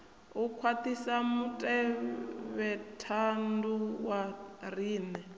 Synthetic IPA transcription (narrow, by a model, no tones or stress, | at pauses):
ukʰwat̪ʰisamutʼɛ | βɛtʰanduwariːnɛ